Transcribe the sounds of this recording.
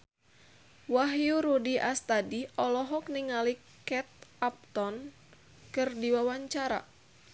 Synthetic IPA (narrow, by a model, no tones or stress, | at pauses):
waɦjuɾudiʔast̪adiɔlɔɦɔk̚niŋali | kɛt̪̚ap̚t̪ɔn | kɨrdiwawaɲt͡ʃaɾa̰